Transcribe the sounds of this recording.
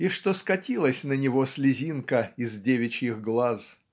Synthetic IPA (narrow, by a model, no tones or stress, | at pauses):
iʂt̪oskɐtʲilˠəsʲnənʲɪvo̞sʲlʲɪzʲinkəɪzdʲevʲɪt͡ɕjixɡlˠaz